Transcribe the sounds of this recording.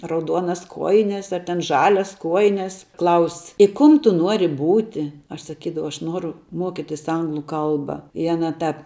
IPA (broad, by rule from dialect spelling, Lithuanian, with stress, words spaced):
rɐʊˈduɔnɐs ˈkuɔjɪnʲɛs ɐr tʲɛn ˈʒɑːlʲɛs ˈkuɔjɪnʲɛs klˠɐʊsʲ ɪ ˈkʊm ˈtʊ ˈnuɔrʲɪ ˈbuːtʲɪ ɐʃ sɐˈkʲiːdɐʋɐʊ ɐʃ ˈnuɔrʊ ˈmuɔkʲɪtʲɪs ˈɐŋɡlˠʊ ˈkɐlˠbɐ ɪ ɐˈnɐ ˈtɐp